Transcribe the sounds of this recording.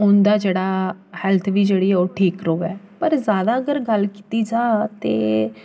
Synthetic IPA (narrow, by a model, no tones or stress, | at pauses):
ʊnd̪aːd͡ʒeːɽaːhɛːlt̪ʰʋiːd͡ʒeːɽiːɛːoːʈʰiːkɾoːɡaːɛ | pəɾzjaːd̪aːəɡəɾɡəlki̥ːt̪iːd͡ʒaːt̪ḛː